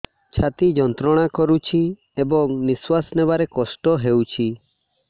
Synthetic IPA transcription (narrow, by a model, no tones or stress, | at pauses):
t͡ʃʰat̪id͡ʒɔnt̪ɾɔɽ̃akɔɾut͡ʃʰi | ebɔŋniswasnebaɾekɔsʈɔɦewt͡ʃʰi